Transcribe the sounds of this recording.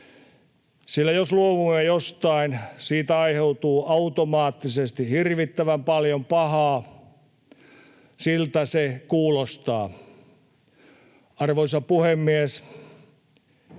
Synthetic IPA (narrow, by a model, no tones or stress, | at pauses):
silːæjosluoʋumːejost̪ɑinsiːt̪æɑiheut̪uːʔɑut̪omɑːt̪ːisest̪ihirʋit̪ːæʋæmpɑljompɑhɑː | silt̪æsekuːlost̪ɑ̰ː | ɑrʋoisɑpuhemːies